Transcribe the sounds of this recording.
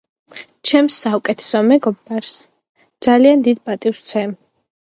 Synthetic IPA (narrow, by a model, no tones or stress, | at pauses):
t͡ʃʰɛmsːaukʼɛt̪ʰɛ̥sɔmɛɡɔbaɾs | d̪z̥aliand̪id̪pʼat̪ʼivst̪sʰɛm